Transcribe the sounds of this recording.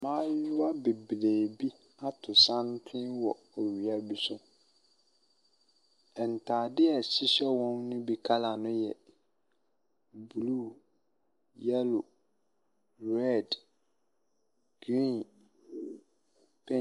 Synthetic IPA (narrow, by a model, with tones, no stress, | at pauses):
mãː˦jʊ˦a˦be˨bɾeː˨bi˦ | a˦tʰʊ˨sã˦ntʰɪ̃˦wɔ˨ | ɔ˨ɥi˨a˦bi˨sʊ̃˦ | ɛ˨n˨tʰaː˨dɪ˦ɛ˨ɕi˦ɕɛ˦wɔ̃˦nːʊ̃˦bi˨kʰa˦la˨nʊ̃˦jɛ˨ | bu˨lu˦ | ja˦lo˨ | ɾɛ˦˨d | ɡ̥ɾĩ˦n | pʰɛ̃˦